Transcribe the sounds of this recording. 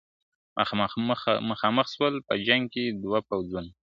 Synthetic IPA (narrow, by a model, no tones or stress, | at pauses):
mʔə̰x | məxɑməxʃwəlpəd͡ʒaŋɡ̚ked̪wapawzun